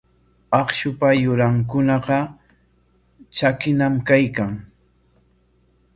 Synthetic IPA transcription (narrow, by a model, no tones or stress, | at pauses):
ɑχʃʊpajʊɾaŋkʊnɑqɑ | t͡ʃakɪnamkajkaŋ